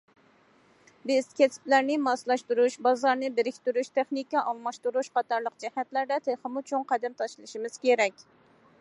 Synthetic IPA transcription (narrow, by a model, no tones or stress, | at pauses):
bɪz̥kʲʰɛsɪ̥plæɾnɪmɑslˠɑʃt̪uɾuʃbɑzɑɾnɨbɪɾɪkʲt̪yɾuʃt̪ʰɛχnikiʔɑlˠmɑʃt̪uɾuʃqʰɑt̪ʰɑɾlˠəq̚d͡ʒɛhɛt̪læɾd̪ɛt̪ʰeχɨmut͡ʃʰoŋqʰæd̪ɛmt̪ʰɑʃlˠɨʃimɨz̥kʲeɾɛkʲ